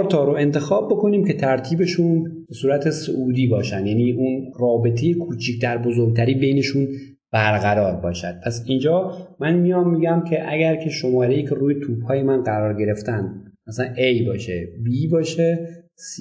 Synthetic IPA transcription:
ɾt̪ʰɒːɾoe̞nt̪e̞xɒːbːo̞ko̞niːmce̞t̪ʰæɾt̪ʰiːbe̞ʃuːnb̥e̞suːɾæt̪ʰe̞soʔuːd̪iːbɒːʃænd̪jæniːunrɒːbe̞t̪ʰe̞je̞kʰut͡ʃʰiːkd̪æɾbozoɾɡ̚t̪ʰæɾiːbejne̞ʃuːn | b̥æɾɣæɾɒːɾbɒːʃæd̪̥̚pʰæsind͡ʒɒːmænmijɒmːiːɡæmcʲʰe̞ʔæɡæɾkʲʰe̞ʃo̞mɒːɾejiːcʰe̞ɾuːjet̪ʰuːb̥hɒːje̞mænɢæɾɒːɾɡe̞ɾe̞ft̪ænd̪mæslænʔejbɒːʃḛbiːbɒːʃe | s

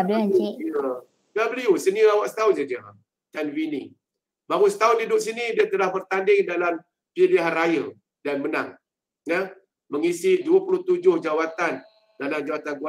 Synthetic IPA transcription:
iə | ɡabəliusəniəawaʔsə̥t̪aʊnsad͡ʒa | t̪anwini | baŋusə̥t̪aʊndidʊʔs̬inĩdiat̪əlahbərt̪andɪŋdalam | piliɦarajə | danməna̰ŋ | jə | məŋisɪduəpuluht̪ud͡ʒʊhd͡ʒawat̪an | dalamd͡ʒawat̪anɡua

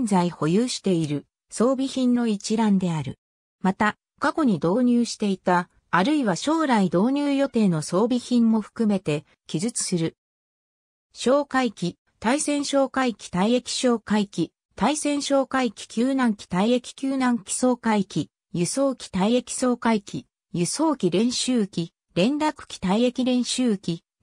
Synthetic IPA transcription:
nd͡zaiho̞jɯːɕi̥t̪e̞iɾɯ̟ | so̞ːbʲiçĩnːo̞it͡ɕiɾãnd̪e̞aɾɯ̟̰ | mat̪a | kako̞ɲ̟id̪o̞ːɲ̟ɨːɕi̥t̪e̞it̪aː | ɾɯ̟iβaɕo̞ːɾaid̪o̞ːɲ̟ɨːjo̞t̪e̞ːno̞so̞ːbʲiçĩmːo̞ɸɯ̟̥kɯ̟me̞t̪e̞ | kʲizɨt͡sɨ̥sɨɾɯ̟ | ɕo̞ːkaikʲi | t̪aisẽ̞ɕo̞ːkaikʲi̥t̪aie̞kʲi̥ɕoːkaikʲi | t̪aisẽ̞ɰ̃ɕo̞ːkaikʲi̥kʲɨːnãŋkʲi̥t̪aiekʲi̥kʲɨːnãŋkʲi̥so̞ːkaikʲi | jɯso̞ːkʲi̥t̪aie̞kʲi̥so̞ːkaikʲi | jɯso̞ːkʲiɾẽ̞ɰ̃ɕɨːkʲi | ɾẽ̞nd̪akɯ̟̥kʲi̥t̪aie̞kʲiɾẽ̞ɰ̃ɕɨːkʲi

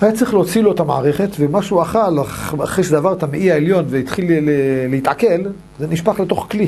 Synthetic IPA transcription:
ajat͡sʁiχleot͡siloetama̰aʁeχe̞tvemaʃuaχalaχaχʁeʃedavaʁt̪ameʔiaeljo̞nveit̪χilelehitʕake̞l | zeniʃpaχle̞to̞χkli

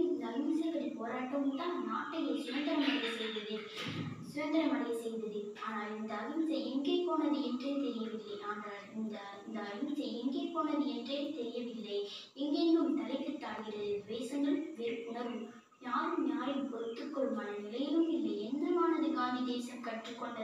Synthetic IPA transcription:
ɪnd̪ɐːɾɪmɐsɐɪʋɐɾɐpoːɾaːʈːɐmɯmt̪ãːnnaːʈːɐjɐsɪʋɐnd̪ɐɾɐmɐɳɐjɐsɛjd̪ɐðɯ | sɪʋɐnd̪ɐɾɐmɐnɐjɐsɛj̪d̪ɐðɯaːnaːlɪnd̪ɐːɾɯmɪsɐɛŋɡeːkːoːnɐðɯɛndreːt̪ɛɾɪjɐʋɪlːɐaːŋɡɐ | ɪnd̪ɐ | ɪnd̪ɐːɾɯmɪðɐɪɛŋɡeːkːoːɳɐðɯɛndreːt̪ɛɾɪjɐʋɪlːɐj | ɛŋɡendɯmt̪ɐlɐɪkːɐʈːaːɽɣɪɾɐðɯɪʋeːsɐŋɡɐɭʋeːɾʊɳɐɾɯm | ɲaːɾɯmɲaːjɯpɔɾɯt̪ːɯkːɔɭɯmɐnɐnɪlɐjɪlɯmɪlːɐɛnːɐmaːnɐðɯkaːnid̪eːsɐmkɐʈrɯkːɔɳɖɐ

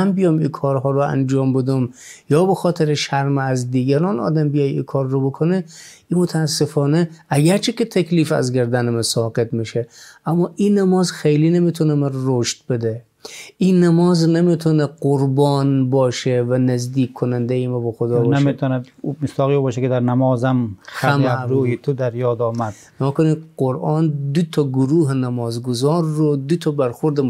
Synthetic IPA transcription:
mbijɒmikʰɒːɾɦɒːɾoæ̰nd͡ʒɒːmbed̪umjɒːbexɒːt̪ʰeɾeʃæɾmeæzd̪iːɡæɾɒːnɒ̰ːd̪æmbijɒjḭkʰɒːɾːobokʰone | imot̪ʰæːsːefɒːneæɡæɾt͡ʃʰeket̪ʰækʰʲliːfæ̰zɡæɾd̪ænemæsɒːqet̪miʃeæmːɒːʔinæmɒːzxejliːnemit̪ʰonemæɾɾoʃt̪̚bed̪e | inːæmɔːznemet̪ʰɔneqoɾbɔːnbɒːʃevænæzd̪iːkʰːonand̪ejimabɔxod̪ɔːbneʃmet̪ʰɔnamɪsd̪ɒːɣibɔːʃɛked̪æɾnamɔːzamxaæmaɾuːjit̪ʰʊd̪æɾjɔːd̪ɒːmad̪̥ | nɔːkʊniqoɾʔɑnd̪ʊt̪ʰɔɡʊɾuːɦenæmɔːzɡʊzɔːɾːod̪ʊt̪ʰɔbæɾxoɾd̪

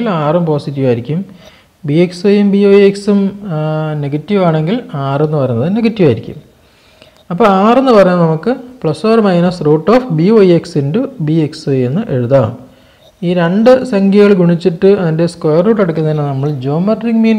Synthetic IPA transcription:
ilaːrumpo̞ːsitːiʋaːjiɾikʲːum | bieksojumbioːjeksum | ne̞ɡɐtːiʋaːɳe̞ŋɡilaːre̞nːɨpɐrɐjunːɐðɨne̞ɡɐtːiʋaːjiɾikʲːṵm | ɐpːoːaːre̞nːɨpɐrɐɲːaːmnɐmukːɨpɭɐsfoːrmɐjnɐsroːʈːoːfbioːjeksindubieksojenːɨʔe̞ɻuðaːɭṵm | iːɾe̞ɳɖɨsɐŋɡʱjiɣɐɭɡuɳit͡ɕːiʈːɨɐðinde̞skojɐrːuːʈ̬ːɐɽɐk̬ʲːunːɐðinːɐnɐmːɐɭd͡ʑo̞ːmɐrriŋɡmiːn

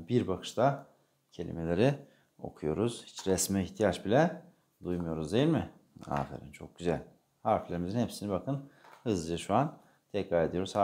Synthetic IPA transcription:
biɾbakʰɯ̥ʃt̪ʰa | cʰe̞lʲḭme̞lʲe̞ɾi | o̞̰kʰujo̞ɾuz̥hi̥t͡ʃɾɛsmɛiçt̪ʰijat͡ʃbilʲɛ | d̪ujmujo̞ɾuzd̪e̞jilʲmɪ | a̰ːfḛɾḭnt͡ʃʰo̞̰k̚ɟyzælʲ | haɾflʲe̞ɾimizinhepsinibakɯnhɯzɯd͡ʒaʃuan | t̪ʰɛcɾaːed̪ijo̞ɾuz̥ha

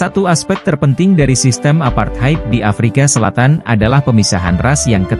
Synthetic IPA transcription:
sat̪uaspɛk̚t̪ərpənt̪ɪŋdaɾisist̪əmapart̪̚hajp̚diʔafɾikasəla̰t̪ana̰dalahpəmisaɦa̰nrasjaŋkə

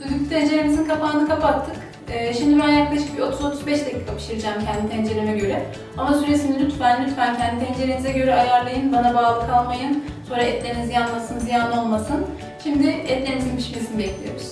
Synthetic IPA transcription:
yd̪yky̥t̪ʰɛnd͡ʒe̞ɾemizinkʰafaːnɯkʰapat̪ʰːɯk | ɯːʃimd̪ibɛnajaklˠaʃɯ̥k̚bio̞t̪ʰuzo̞t̪ʰuzbɛʃd̪acʰiːkʰapʰɯ̥ʃɯɾɯd͡ʒaːmcʰɛnd̪it̪ʰɛnd͡ʒe̞ɾemɛɟø̞ɾɛ | amasyɾesinɛlʲyt̪fænlʲyt̪fæncɛnd̪it̪ʰɛnd͡ʒe̞ɾemizɛɟø̞ɾɛajaɾlˠajɯnbanabaːlˠɯkʰalˠmajɯn | so̞ːɾaɛt̪lʲeɾinizijanmasɯnzijaːno̞lˠmasɯn | ʃimd̪ɪɛt̪lʲeimʲizinmiʃbiɾsinb̪ɛclʲijo̰ɾiz̥

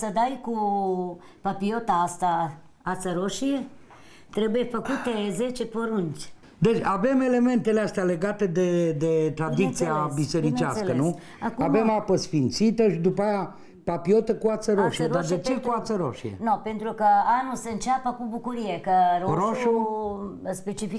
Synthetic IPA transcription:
səd̪ajku | papiot̪aast̪a | at̪səɾoʃie | t̪ɾebujefəkut̪ezet͡ʃepoɾunt͡ʃʲ | d̪e̞t͡ʃʲave̞me̞le̞me̞nt̪e̞least̪eale̞ɡat̪e̞d̪ed̪e̞t̪ɾad̪it̪siabise̞ɾit͡ʃasskkənu | akave̞mapəsfint̪sit̪əʃid̪upaja | papio̞t̪əkuat̪səɾo̞ʃied̪ad̪et͡ʃe̞kuat̪səɾo̞̰ʃiḛnopent̪ɾukəanuseɨnt͡ʃapəkubukuɾijekəɾoɾoʃu | spet͡ʃifi

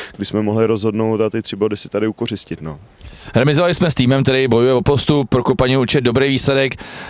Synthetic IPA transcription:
ɡdɪsmɛmoɦlɪɾozɦodno̞wt̪at̪ɪt̪r̝̥ɪbo̞dɪsɪ̥t̪adɪukor̝ɪscɪt̪no | ɦɾɛmɪzovalɪsmɛst̪iːmɛmkt̪ɛɾijbo̞jujɛvopo̞st̪uppːɾokopaɲiuɾt͡ʃɛd̪do̞bɾejviːslɛdɛk

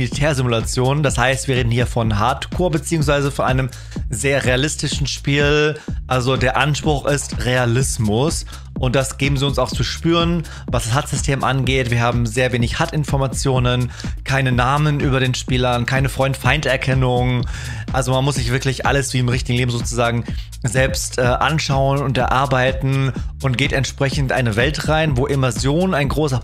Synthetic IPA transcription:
litʰɛːɐzɪmulat͡sjoːnənd̥ashaɪstviːʁ̞eːdn̩hiːɐfɔnɦatkʰoːɐbət͡siːʊŋs̬v̥aɪzəfɔnʔa̰ɪnəm | zeːɐʁealɪstɪʃn̩ʃpiːlʔalzodeːɐʔanʃpʁ̥ʊxʔɪstʁealɪsmʊs | ʔʊnt̚d̥asɡ̥eːbm̩ziːʊnsaʊxt͡suʃpyːʁən | vasd̥ashatz̥ʏstʰeːmʔanɡeːtv̥iːɐhaːbm̩zeːɐveːnɪçhatɪnfɔɐmat͡sjoːnənkʰaɪnənaːmənʔyːbɐɾeːnʃpiːlɐnkʰaɪnəfʁ̥ɔʏntfaɪntɛɐkʰɛnʊŋʔalzomanmʊsz̥ɪçv̥ɪɐklɪçʔa̰ləsv̥iːɪmʁɪçtɪɡŋ̩leːbm̩zoːt͡suzaːɡŋ̩ | zɛlpstʔɛːʔa̰nʃaʊənʊntɛɐʔaɐbaɪtn̩ʔʊntɡ̥eːtɛntʃpʁ̥ɛçn̩tʔa̰ɪnəvɛltʁaɪnvoːʔemazjoːnaɪnɡʁoːsɐ

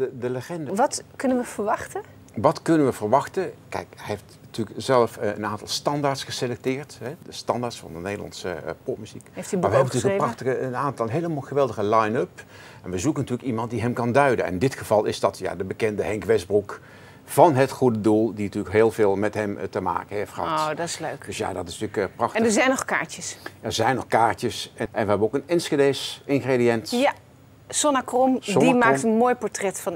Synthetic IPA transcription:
ədələχɛndəʋɑtkɵnənʋəvəɹʋɑχtə | ʋɑtkɵnənʋəvəɹʋɑχtəkɛ̰jkeftnətyːləkzɛləfə̰naːntɑlˠstɑndaːɹtsχəselɛk̚tɪːɹtɦɛdəstɑndaːɹtsfɑ̰ndənejdəlɑ̰nsəpɔp̚myz̥ikːfimaɹʋəɛbəntyːəkːrɑxtəəənaːntɑləɦejləmalˠχəʋɛlˠdəχəlajnɵp | ɛnʋəzukənɑtyːləkimɑnt̚diɦɛmkɑndœɥdə̰nɛ̰ndɪtχəv̥ɑlˠɪzdɑtja̰ːdəbəkɛndəɦɛŋkʋɛsbruk | v̥ɑnɦətχudədulˠdintyːləkɦeːlˠvɪːlˠmɛtɦɛmtəma̰ːkəɦejftχəɦɑ̰tdɑtɪsløɥkd̥øsja̰dɑtɪsntyːlkprɑxtndəzɛjnɔχkaːɹtəsɛɹzɛjnɔχkaːɹtəsɛʔɛnʋəɦɛbənowkənɛnsχədesɪnχrediɛntja | sɔnakrɔmsɔdinmaːktənmoːjpɔɹtrɛtfɑn

